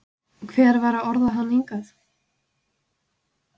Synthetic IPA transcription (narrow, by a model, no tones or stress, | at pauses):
kʰvɛːɾvaːɾaɔɾðaanːeŋkaθ